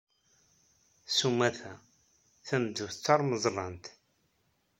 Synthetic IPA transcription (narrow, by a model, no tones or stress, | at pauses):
sumæθæ | θæmd̪əvt͡sːɑɾˤməzˤɾˤɑnt̪